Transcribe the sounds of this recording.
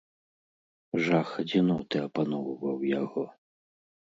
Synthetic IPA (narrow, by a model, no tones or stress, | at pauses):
ʐaxɐd͡zʲinɔt̪ɛɐpanɔwvɐwjaɣɔ